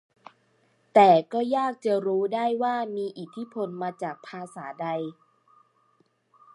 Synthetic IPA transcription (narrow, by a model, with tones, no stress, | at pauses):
t̪ɛː˨˩kɔː˥˩jaː˥˩k̚t͡ɕa˨˩ɾuː˦˥daː˥˩jwaː˥˩miː˧ʔi˨˩t̪ʰːi˦˥pʰo˧nmaː˧t͡ɕaː˨˩k̚pʰaː˧saː˩˦da˧j